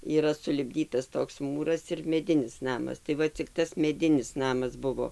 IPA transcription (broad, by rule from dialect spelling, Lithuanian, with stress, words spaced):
iːˈrɐ sʊlʲɪbʲˈdʲiːtɐs ˈtoːks ˈmuːrɐs ɪr mʲɛˈdʲɪnʲɪs ˈnɑːmɐs tɐɪ ˈʋɐ t͡sʲɪk ˈtɐs mʲɛˈdʲɪnʲɪs ˈnɑːmɐs ˈbʊʋoː